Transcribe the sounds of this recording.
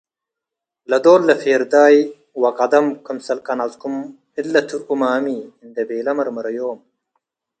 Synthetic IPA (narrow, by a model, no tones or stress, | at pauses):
lɐd̪oːlːɐfeːɾd̪aːj | wɐkɐd̪ɐmkunsɐlkɐnazkum | ilːɐt̪ʰuumaːmiind̪ɐbeːlɐmɐɾmɐɾɐjoːm